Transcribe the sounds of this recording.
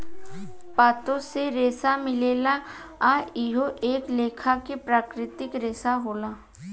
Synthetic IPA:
paːt̪õseɾeːsamɪleːla | aɪɦoʔeːkleːkʰakepɾaːkɾɪt̪ɪkɾeːsaɦoːlaː

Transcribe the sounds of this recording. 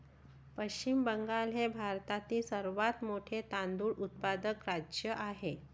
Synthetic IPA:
pəɕt͡ɕimbəŋɡalɦebʱaɾt̪at̪iːsəɾʋat̪moʈʰet̪and̪uːɭʔut̪̚pad̪əkɾad͡ʑjəʔaɦe

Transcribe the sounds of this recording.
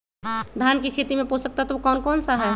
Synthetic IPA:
d̪ʱaːnkikʰeːt̪imẽposək̚t̪aɦɛt̪ɔʋokɔːnkɔːnsaɦɛ

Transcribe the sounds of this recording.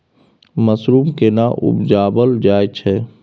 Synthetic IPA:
məsɾuːmkenaʔʊ̰bd͡ʒaːbəld͡ʒaːjt͡ʃʰɛ

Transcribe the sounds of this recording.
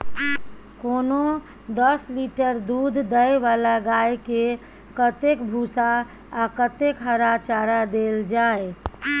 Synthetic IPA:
kono | d̪əsliʈəɾd̪ud̪ʱd̪əeʋalaɡajke | kət̪ekbʱusaː | kət̪ekɦəɾat͡ʃaɾad̪eld͡ʒae

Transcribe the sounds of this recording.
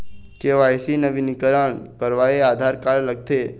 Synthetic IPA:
keʋajsinəʋinikəɾəɳkəɾʋaead̪ʱaɾkaɭləɡ̚t̪ʰe

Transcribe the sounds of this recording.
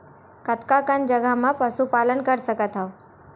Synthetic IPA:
kət̪kakənd͡ʒəɡʱamãpəsupaːlənkəɾsəkət̪ɦa

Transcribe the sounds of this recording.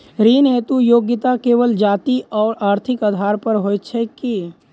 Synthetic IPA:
ɾiːnɦeːt̪ujoːɡɪt̪akeːʋəld͡ʒaːt̪iʔɔːɾaːɾt̪ʰɪkəd̪ʱaːɾpəɾɦoːt͡ʃʰɛki

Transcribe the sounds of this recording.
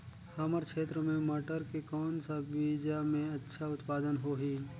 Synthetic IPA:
hɐməɾkʃeːt̪ɾəmẽmaːʈəɾkekɔːnsabiːd͡ʒamẽɐtːʃʰaʊt̪paːd̪ənɦoɦiː

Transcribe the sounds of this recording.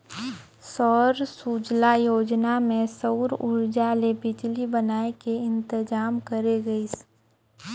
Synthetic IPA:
sɔːɾsuːd͡ʒlajoːd͡ʒnamẽsəʊɾʊɾd͡ʒalebɪd͡ʒlibənaːekeɪ̃nt̪ɪd͡ʒaːmkəɾeɡəis

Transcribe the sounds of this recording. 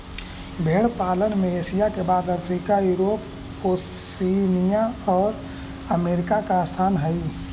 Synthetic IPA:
bʱeːɽpaːlənmẽeːsijakebaːd̪əpʰɾiːkajuːɾoːp | o | iːnijaɔːɾ | əmeːɾɪkakaaːsʰaːnɦəi

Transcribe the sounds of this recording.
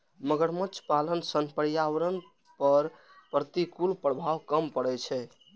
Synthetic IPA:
məɡəɾmət͡ʃʰpalənsənpəɾijawɾən | pəɾ | pɾət̪ikulpɾəbʱawkəmpəɽɛt͡ʃʰɛ

